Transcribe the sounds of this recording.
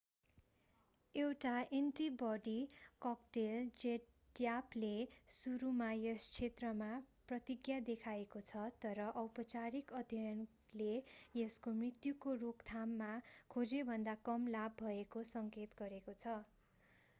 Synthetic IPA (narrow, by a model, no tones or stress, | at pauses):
ewʈaeɳʈibʌɖikʌkʈeld͡zeʈː | japlesuɾumajest͡sʰet̪rʌmaprʌt̪iɡjad̪ekʰaekot͡sʰʌt̪ʌɾʌʔʌwpʌt͡saɾikʌd̪ʱjʌn | lejeskomrit̪jukorokt̪ʰamːakʰod͡zebʱʌnd̪akʌmlabːʱʌekosʌŋket̪ɡʌɾekot͡sʰʌ